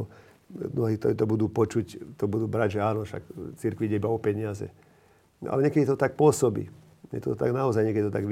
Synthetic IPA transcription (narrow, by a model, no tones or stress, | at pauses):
ɔ | mnɔɦiːt̪ɔt̪ɔbud̪uːpɔt͡ʃuct̪ɔbud̪uːbɾaɟʒɛaːnɔʃa̰kt͡siɾkʋiɟɛibaɔpɛɲɪazɛ̰ | ʔa̰lɛɲɛkɛd̪it̪ɔt̪ak̚pʊɔsɔbḭ | ɲɛ̰t̪ɔt̪t̪a̰ɡnaɔzajɲɛkɛd̪it̪ɔt̪aɡʋ